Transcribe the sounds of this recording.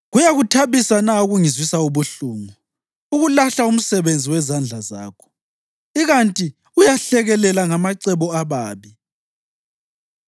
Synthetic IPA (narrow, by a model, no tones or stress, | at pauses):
ɣujaɣutʰaβisanauɣuŋizwisauβuɬuːŋu | uɣulaɬaum̩sɛβend͡zʱiwɛzand͡ɮʱaza̰ːkʰɔ̥ | iɣantʼi | ujaɬɛɣɛlɛlaŋamaǀɛβɔaβaːβi